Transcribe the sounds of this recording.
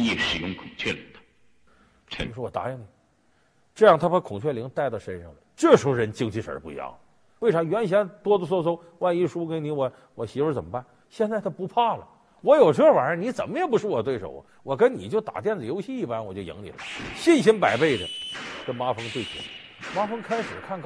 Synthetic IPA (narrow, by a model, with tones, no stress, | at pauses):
jɛ˥˩ʂɻ̩˨˩jʊ˥˩ŋkʰʊ˨˩ŋt͡ɕʰɥɛ˥˩lḭ˨˧˥ŋd̪ə˧˥˧ | ʂɻ̩˥wɔ˨˩t̪a̰˧˥ji˧˥ŋni˨˩˦ | ʈ͡ʂɤ˥˧jɑ˥˩ŋt̪ʰa˥ə˥kʰʊ˨˩ŋt͡ɕʰɥɛ˥˩li˧˥ŋt̪a˥˧ɪt̪ɑ˥˩ʊʂə˥nʂɑ˥˩ŋʈ͡ʂɛ˥˩ʂu˧˥ɻə˧˥nt͡ɕi˥ŋt͡ɕʰi˥˩ʂə̰˞˧˥pṵ˧jɑ̰˥˩ʊ | we˥ɪʈ͡ʂʰɑ˧˥ŋɥɛ˧˥nɕ̬jɛ˥nt̪wɔ˥d̪ə˧s̬wɔ˥˧s̬ʰo˥ | wa˥˧ni˥˩ʂu˥kə˥nni˧˥wɔ˧˩˦ | wɔ˨˩ɕi˧˥wə˧˥t͡sə˨˩mə˦pa˥˩n | ɕjɛ˥˧nt͡sa˥˩t̪ʰa˥pu˧˥pʰa˥˩lə˩ | wɔ˧˥jo˨˩ʊʈ͡ʂwa˧˥ni˧˥t͡sə˨˩nmə˦jɛ˨˩pu˧˥ʂɻ̩˥˩wɔ˨˩t̪we˥˩ɪʂo̰˨˩ʊ˧wɔ˨˩kə˥nnḭ˨˩t͡ɕjo˥˩ʊt̪a̰˨˩t̪jɛ˥˩nd͡zɹ̩˩jo˧˥ʊɕi˥˧i˥˩pa˥nwɔ˨˩t͡ɕjo˥˩ʊjḭ˧˥ŋlḭ˨˩lə˧˥ɕi˥˩nɕi˥npa˨˩ɪpe˥˩ɪʈ͡ʂə̰˩kə˥nma˥fɤ˥ŋt̪we˥˩ɪt͡ɕḭ˨˩n˧ | ma˥fɤ˥ŋkʰa˥ɪʂɻ̩˨˩kʰa˥˩nk